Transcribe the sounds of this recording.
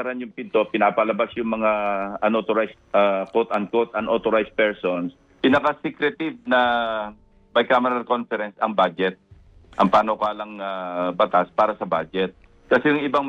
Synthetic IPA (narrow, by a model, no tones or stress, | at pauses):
ɐɾanjʊŋpɪnt̪o̞pɪnaːpɐlɐbasjʊŋmɐŋaʔɐnʔoːt̪oɾajs | akot̪ɐnkot̪ɐnʔot̪oɾajspɛɹsons | pinɐkasikɾɛt̪ɪv̚nɐ | bɐjkaːmɛɾɐlko̞nfɛɾɛnsɐŋbad͡ʒɛt̪̚ | ʔɐŋpaːnokaːlɐŋabɐt̪aspaːɾɐsɐbad͡ʒɛt̪̚ | kɐsɛjʊŋɪba